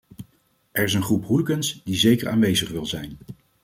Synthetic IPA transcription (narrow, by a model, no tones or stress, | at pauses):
ʔɛɹɪs̬ənχrupɦulɡənsdizejkə̰ɹa̰ːnʋejzəχʋɪlˠzɛjn